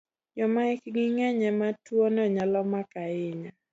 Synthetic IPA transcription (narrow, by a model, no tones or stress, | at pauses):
d͡ʒɔmaɪkɡiŋɛɲɛmatwonɛɲalɔmakaɪɲa